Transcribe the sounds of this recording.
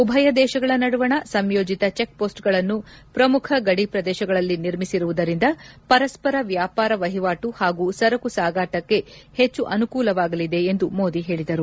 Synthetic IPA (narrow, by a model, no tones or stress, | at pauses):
ubʱɐjɐd̪ɛːʃɐɡɐɭɐnɐɽuʋɐɳɐsɐmjoːd͡ʒit̪ɐt͡ʃe̞k̚poːsʈɡɐɭɐnːu | pɾɐmukʰɐɡɐɽipɾɐd̪ɛːʃɐɡɐɭɐlːiniɾmisiɾuʋud̪ɐɾind̪ɐpɐɾɐspɐɾɐʋjaːpaːɾɐʋɐɦiʋaːʈuhaːɡuːsɐɾɐkusaːɡaːʈɐkːe̞het͡ʃːuʔɐnukuːlɐʋaːɡɐlid̪e̞ːnd̪umo̞ːd̪iɦe̞ːɭid̪ɐɾu